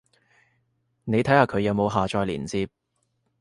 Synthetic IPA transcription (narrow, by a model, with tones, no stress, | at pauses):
ne˨˧jt̪ʰɐ˨˥jhaː˨˧kʰɵ˨˧ɥjɐ˨˧wmo˨˧wɦaː˨t͡ʃɔː˧jlḭː˨˩nt͡siː˧p̚